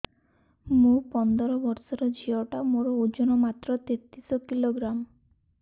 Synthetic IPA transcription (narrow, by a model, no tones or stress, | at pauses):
mũpɔnd̪ɔɾɔbɔɾsɔɾɔd͡ʒʱiɔʈamoɾɔod͡ʒɔnɔmat̪ɾɔt̪et̪isɔkiloɡɾam